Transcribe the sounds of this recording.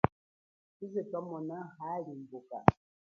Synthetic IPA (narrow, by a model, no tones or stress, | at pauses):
izepamɔnahalimboka̰